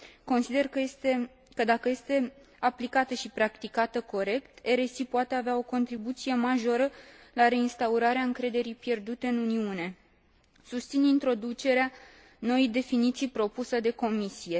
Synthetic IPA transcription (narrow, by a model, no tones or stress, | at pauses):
ko̞nsid̪e̞rkəest̪e | kəd̪akəje̞st̪e̞ | aplikat̪əʃipɾakt̪ikat̪əko̞ɾe̞kt̪e̞ɾe̞sipoat̪e̞aveao̞ko̞nt̪ɾibut̪sije̞maʒo̞ɾəlaɾe̞inst̪auɾaɾeaɨŋkɾe̞d̪e̞ɾijpje̞rd̪ut̪e̞ɨnuniune̞ | sust̪sinint̪ɾo̞d̪ut͡ʃe̞ɾea | no̞ejd̪e̞finit̪sijpɾo̞pusəd̪e̞ko̞misije̞